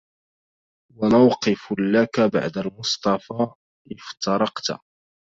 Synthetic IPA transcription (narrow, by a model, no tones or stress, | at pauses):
wanawqɪflakaba̰ʕd̪almʊsˤt̪ˤɑfaː | ʔɪft̪ɑɾˤɑqt̪a̰